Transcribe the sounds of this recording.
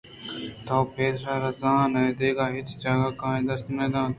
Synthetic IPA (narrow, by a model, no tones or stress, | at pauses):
t̪ʰaːpʰeːɾaːɾɐzãːnɐ̃ːd̪eːɡaːɦɪt͡ʃd͡ʒaːɡaːkãːẽːd̪əst̪nẽːd̪ãː